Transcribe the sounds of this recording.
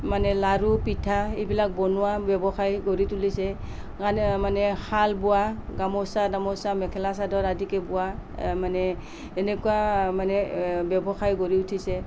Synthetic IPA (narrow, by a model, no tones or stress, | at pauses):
manɛlaɾupitʰaibilak̚bɔnuwabjɛbɔxajɡoɹitulisɛ | ɡanmanɛhalbuaɡamɔsadamɔsamɛkʰɛlasadɔɹadikɛbuwamanɛː | nɛkuamanɛbjɛbɔxajɡoɹiutʰisɛ